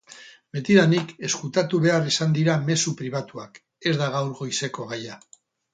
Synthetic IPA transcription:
be̞t̪iðanike̞skut̪at̪uβe̞arisand̪iɾame̞supɾiβ̞at̪uak | e̞zðaɣawɾɣo̞jse̞ko̞ɣ̞aja

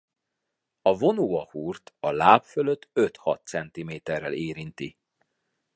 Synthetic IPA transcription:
ɒvo̞noːɒhuːrt̪ɒlaːpføløt̪ːøt̪hɒ̰t̪sɛnt̪imeːt̪ɛrːɛleːɾint̪i

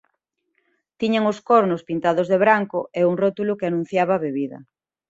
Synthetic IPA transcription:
t̪iɲaŋʊskoɾnʊspint̪aðozðeβɾaŋkʊeuŋrot̪ulʊkeanũn̟θjaβaːβeβiðɐ̰

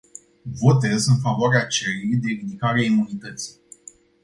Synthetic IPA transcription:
vo̞t̪e̞zɨnfavoaɾeat͡ʃelejd̪e̞ɾid̪ikaɾeaimunit̪ət̪si̥

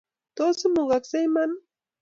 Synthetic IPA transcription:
t̪osɪmoɢɑksajmaŋ

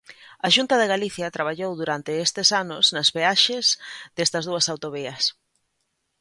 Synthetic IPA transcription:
ɐʃunt̪ɐðeɣaliθjɐt̪ɾaβ̞aʎowðuɾant̪ɪest̪ɪsanʊznɐzβeaʃezðest̪ɐzðuɐsawt̪oβiɐs

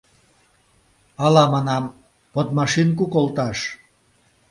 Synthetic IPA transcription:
ɑlɑmɑnɑm | pot̪mɑʃink̬ukolt̪ɑʃ

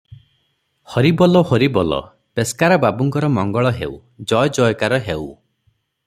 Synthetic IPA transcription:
hɔɾibɔlɔhoɾibɔlɔ̰ | peskaɾɔbabuŋkɔɾɔmɔŋɡɔɭɔɦḛw | d͡ʒɔjɔd͡ʒɔjɔkaɾɔɦew

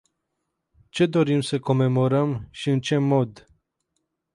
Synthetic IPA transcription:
t͡ʃe̞d̪o̞ɾimsəko̞me̞mo̞ɾəmʃiɨnt͡ʃe̞mo̞d̪

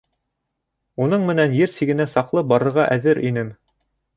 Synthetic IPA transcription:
unɤɴmɘ̆nænjɘɾsiɡɘ̆næsɑqlˠɤbɑɾɤ̆ɾʁɑʔæðɘɾʔinɘm

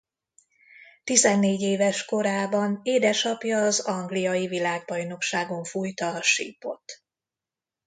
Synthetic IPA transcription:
t̪izɛnːeːɟeːvɛʃko̞ɾaːbɒneːd̪ɛʃɒpjɒːzɒŋɡlijɒjivilaːɡ̚bɒjno̞kʃaːɡo̞ɱfujt̪ɒːʃḭːpo̞̰t̪

